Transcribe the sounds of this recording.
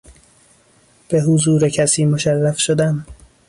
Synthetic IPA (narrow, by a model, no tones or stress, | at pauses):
b̥e̞ɦuzuːɾecʰæsiːmoʃærːæfʃod̪æm